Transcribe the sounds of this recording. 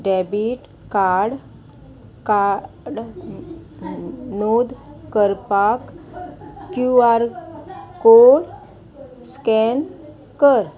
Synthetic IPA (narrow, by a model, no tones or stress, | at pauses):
ɖɛbiʈ | kaɽ | ka | ɽ | nod̪kəɾpak | kjuaɾ | koɽ | skɛn | kəɾ